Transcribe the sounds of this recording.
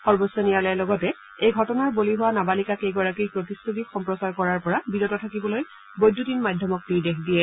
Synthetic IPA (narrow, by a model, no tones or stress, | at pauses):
xɔɹbɔsɔnijalɛɛlɔɡɔtɛ | ejɡʱɔtɔnaɹboliɦʊwanabalikakejɡɔɹakipɹɔtistʰut̬ixɔmpɹɔsaɹkɔɹaɹpɔɹabidɔtɔtʰakibɔloj | bojdːutinmadʱjɔmɔk̚tiɹdexdijɛ